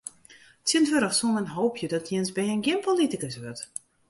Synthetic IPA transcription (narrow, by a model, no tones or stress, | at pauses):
tsjɪntʋøɾɔxsumənɦowpʰjədɔtʰjɪənsbɛənɡjɪnpolitikəsʋøt